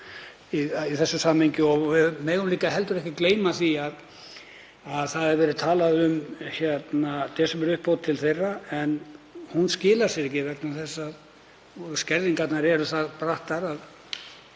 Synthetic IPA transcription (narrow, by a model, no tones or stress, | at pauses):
iiθɛsːʏsaːmejɲcʏɔɣvɪðmɛːɣʏmliːkaɦɛlt̪ʏɾɛhcɪkleːjmaθiað | aðθaðɛɾvɛːɾɪðt̪ʰaːlaðʏmçɛt̪nat̪ɛːsʏmɛɾʏhpowt̪ʰːɪlθejrːaɛnhunscɪːlaɾ̥sɪɛɾɛhcɪvɛkt̪naθɛsːað | scɛɾðiŋkat̪naɾɛɾʏθaðpɾaht̪aɾað